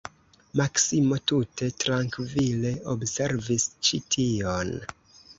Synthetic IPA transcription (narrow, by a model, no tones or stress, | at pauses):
maksimo̞tute̞tɾaŋkvile̞obse̞ɾvist͡ʃitʰion